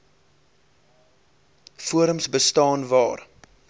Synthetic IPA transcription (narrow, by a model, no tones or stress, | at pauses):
fuəɾəmsbəstɑːnvɑːr